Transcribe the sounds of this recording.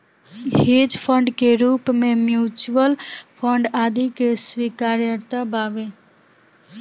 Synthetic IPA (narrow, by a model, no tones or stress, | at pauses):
hed͡ʒpʰə̃ɳɖkeɾuːpmẽmjuːt͡ʃəlpʰəɳɖaːd̪ikesʋiːkaːɾjəɾt̪abaːʋe